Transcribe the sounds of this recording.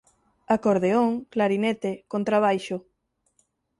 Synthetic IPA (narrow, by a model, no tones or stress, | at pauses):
akoɾðeoŋklaɾinet̪ekont̪ɾaβ̞ajʃo